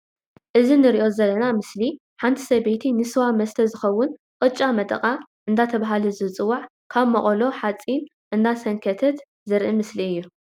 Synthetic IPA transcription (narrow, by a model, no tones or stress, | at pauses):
ʔɨzinɨɾiʔo̞zɐlːɐnamɨsli | ħant̪ʰi̥sɐbet̪ʰinɨsɨwamɐst̪ʰɐzɨxɐwːʊn | qʼɨt͡ʃʼːamɐt̪ʼɐ̰kʼaʔɨnd̪at̪ʰɐβaɦaluzɨt͡sʼɨwːaʕ | kʰaβmɐχʼolo̞ħat͡sʼin | ʔɨnd̪asɐŋkʰɐt̪ʰɐt̪ | zɨɾʔɨmɨsliɨjːu